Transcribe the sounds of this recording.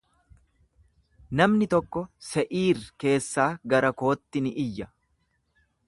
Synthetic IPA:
nɐmnɪt̪ɔkːɔsɛʔiːrke̞ːsːaːɡɐɾɐko̞ːt̪ːɪnɪʔɪjːɐ

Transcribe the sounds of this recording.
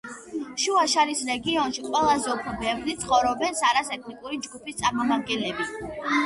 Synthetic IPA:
ʃuaʃaɾisɾɛɡiɔnʃiqʼwɛlˠazɛɔpʰɾɔbɛvɾit̪sʰχɔvɾɔbɛnsaɾasɛtk̪ʰnikʼuɾid͡ʒɡupʰist̪sʼaɾmamad̪̚ɡɛnlɛbi

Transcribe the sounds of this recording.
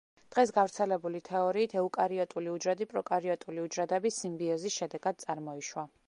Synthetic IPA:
d̪̥ʁɛs̬ɡavɾt̪sʰɛlɛbulit̪ʰɛɔɾiːt̪ʰɛukʼaɾiɔt̪ʼuliud͡ʒɾɛd̪ipʼɾɔkʼaɾiɔt̪ʼuliud͡ʒɾɛd̪ɛbisːimbiɔzisʃɛd̪ɛɡad̪̥̚sʼaɾmɔiʃwa

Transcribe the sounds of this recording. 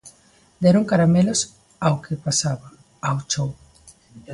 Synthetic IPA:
d̪ɛɾoŋkaɾamelos | awkʰepasaβaː | wt͡ʃow

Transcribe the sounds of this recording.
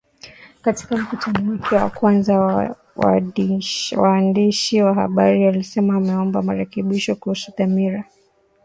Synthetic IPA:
kati̥kam̩kutʰanɔwakʰɛwa̰kwanza | waːndiʃiwahaɓaɾiwalisɛmaːmɛɔmbamaɾɛkɛɓiʃɔkuhusuθamiɾa

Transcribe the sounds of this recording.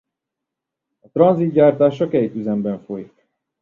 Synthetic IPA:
ɒt̪ɾɒnzit̪̚ɟaːrt̪aːʃɒkɛjt̪yzɛmbɛɱfo̞jik

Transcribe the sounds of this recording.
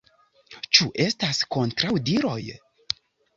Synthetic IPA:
t͡ʃuʔe̞stasko̞ntɾawdiɾo̞̰j

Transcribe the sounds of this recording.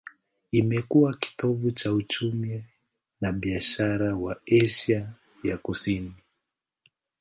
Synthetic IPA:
imɛkuwaki̥tɔvut͡ʃaut͡ʃumi | naɓiaʃaɾawaɛʃa | jakusini

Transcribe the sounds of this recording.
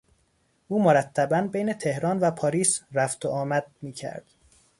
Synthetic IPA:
ʔuːmoɾæt̪ʰːæbænbejne̞t̪ʰe̞hɾɒːnvæpʰɒːɾiːsɾæft̪ʰoʔɒːmæd̪̚miːcʰæ̰ɾd̪̥

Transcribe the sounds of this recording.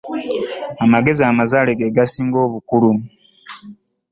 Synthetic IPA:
amaɡe̞ziamazaːleɡeɡasiːŋɡo̞ːβukulu

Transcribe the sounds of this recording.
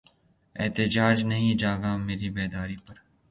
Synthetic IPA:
eːt̪ɪd͡ʒaːd͡ʒnɐɦĩd͡ʒaːɡaːmeːɾiːbeːd̪aːɾiːpɐɾ

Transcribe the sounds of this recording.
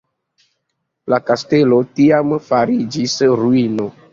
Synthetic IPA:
lakastelo̞tiamfaɾid͡ʒisɾuino

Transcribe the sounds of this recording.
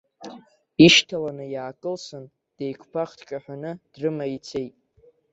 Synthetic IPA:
iʃtʰalanɨjaːkʼɨlsɨn | d̥ejkʷʰpʰaχtʰt͡ʃʲʼaħʷᶣanɨd̥rɨmait͡sʰe̞jtʼ

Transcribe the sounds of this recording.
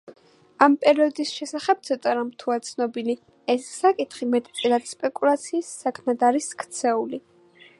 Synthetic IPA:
ampʼɛɾiɔd̪isʃɛsaχɛb̥̚t̪sʰɔt̪ʼaɾamt̪ʰuat̪sʰnɔbili | ɛsːakʼit̪χimɛt̪ʼt̪sʼɛlat̪spʼɛkʼulat̪sʰiːsːakʰmɛd̪aɾiskʰt̪sʰɛuli

